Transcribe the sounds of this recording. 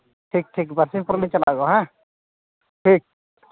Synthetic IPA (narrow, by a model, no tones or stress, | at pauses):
ʈʰiːk̚ʈʰiːkbɐɾsĩpʊɾnĩt͡ʃɐla̰ɡoɦã | ʈʰiːk̚